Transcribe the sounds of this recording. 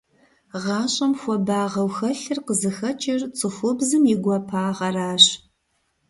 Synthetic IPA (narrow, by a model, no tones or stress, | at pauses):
ʁɑːɕʼɐmxʷɔbaːʁɐwxɐɬɨrqəzɨxɐt͡ʃʼɪrt͡sʼɨxʷʊbzɨmjɪɡʷɔpʰaːʁɐraːɕ